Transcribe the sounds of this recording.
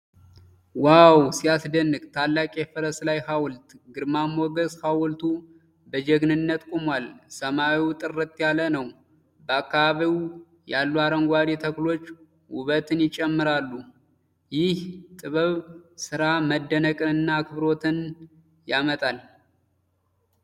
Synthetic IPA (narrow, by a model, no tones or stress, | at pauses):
wawsijasd̪ənːɨɡt̪ʰalːakʼefɨɾəslajhawlt̪ɡɨɾmamoɡəshawlt̪ʰu | bəd͡ʒɛɡnɨnːət̪kʷʼumwalsəmaiwt̪ʼɨrːɨt̪ʼjalənəw | bəakːaβaβiw | jalːuaɾəŋɡʷad̪et̪ʰəklo̞t͡ʃː | wʊβət̪ɨnjɪt͡ʃʼɛmːɨɾalːu | jɪht̪ʼɨβɨβsɨɾaməd̪ːənəkʼɨɨnːakʰɨβɾo̞t̪ʰɨn | jamət̪ʼal